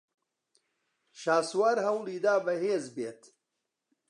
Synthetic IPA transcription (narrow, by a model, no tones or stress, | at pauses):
ʃaːswaːɾhɐwliːd̪aːbɐɦeːzbeːt̪